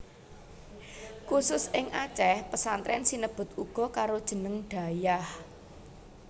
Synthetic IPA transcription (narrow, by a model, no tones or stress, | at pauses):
kusʊsɪŋʔat͡ʃɛhpəsant̪ɾɛnsinəb̥ʊ̤t̪uɡ̥ɔ̤kaɾod̥ʒ̥ə̤nəŋɖ̥ä̤jah